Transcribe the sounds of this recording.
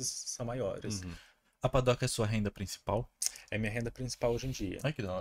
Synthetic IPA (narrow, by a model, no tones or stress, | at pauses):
ɪsːɐ̃w̃majɔ̰ɾɪ̰s | ɐpad̪ɔkɐɛsuɐɦẽnd̪ɐpɾĩsi̥pawɛɐmĩɲɐɦẽnd̪ɐpɾĩsi̥pawoʒẽd͡ʒiɐ̰ajkɪd̪ɐ̃